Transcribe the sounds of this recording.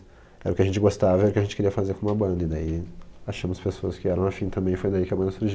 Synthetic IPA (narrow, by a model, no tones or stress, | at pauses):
ɛɾʊkɪɐʒẽnt͡ʃɪɡost̪avɐɛɾʊkɪaʒẽnt͡ʃɪ̥keɾiɐfazeɾkõũmɐbɐ̃nd̪ɐɪd̪aiaʃɐ̃mʊspesoɐskɪɛɾɐ̃w̃afĩt̪ɐ̃mbẽj̃fojd̪aikɪɐbɐ̃nd̪ɐsuɾʒi